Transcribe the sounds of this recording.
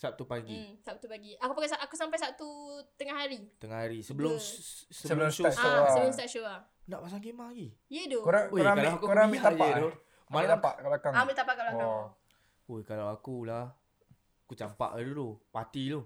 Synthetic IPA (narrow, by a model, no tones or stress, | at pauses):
sap̚t̪upaɡisap̚t̪upaɡiakupaɡasaʔakusampajsap̚t̪ut̪əŋaɦaɾit̪əŋahaɾisəbəlʊmsəəlsoəəəlʊmst̪aʔʃoa | naʔpas̬aɡemaɡi | jədokɾaoɾakalaakukɾabiajaədo | mãlaapaʔkablakaŋabit̪apaʔkablaka | ojkalawakulah | akut͡ʃampa̰ʔadudopat̪ilo